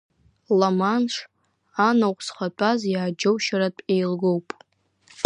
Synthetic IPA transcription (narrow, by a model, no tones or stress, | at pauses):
lamanʂ | anaqʷʼsχʷat͡pʷʰʼazjaːd͡ʒowʃaɾatʼejlɡowpʼ